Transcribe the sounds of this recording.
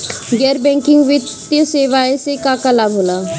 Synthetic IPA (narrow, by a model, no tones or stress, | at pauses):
ɡɛːɾbɛ̃ŋkɪ̃ŋɡʋɪt̪ | jəseːʋaːesekakalabʱɦoːlaː